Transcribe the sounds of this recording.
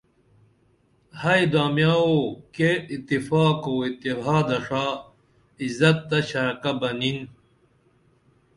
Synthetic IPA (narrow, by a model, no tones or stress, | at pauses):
hɐjd̪aːmjaːokeit̪ːifaːkowit̪iɦaːd̪ɐʂaː | izɐt̪ːɐɕɐɾkɐbɐnin